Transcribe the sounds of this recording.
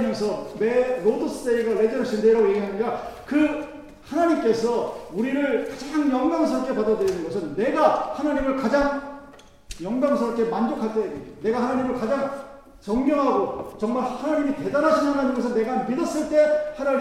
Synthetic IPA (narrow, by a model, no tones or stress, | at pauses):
mjʌns̬ʰʌme̞ɾodɯs͈ʰɯ̥s͈eiɡaɾe̞d͡ʑʌɾʌɕʰindeɾaɡojeɡiɦanɯɲidakɯ | hanaɲimk͈e̞sʰʌuɾiɾɯɭkad͡ʑaŋjʌŋɡaŋsʰɯɾʌpkʰe̞padadɯɾinɯnɡʌs̬ʰɯnːe̞ɡahanaɲimɯɭkad͡ʑaŋ | jʌŋɡaŋsʰɯɾʌp̚kʰe̞mand͡ʑokʰaɭt͈ene̞ɡahanaɲimɯɭkad͡ʑaŋ | t͡ɕʌŋɡjʌŋɦaɡot͡ɕʌŋmaɭhanaɲimite̞daɾɦaɕʰinnɦanaɲɯnɡʌsʰʌne̞ɡamidʌs͈ɯɭt͈e̞hanaɲ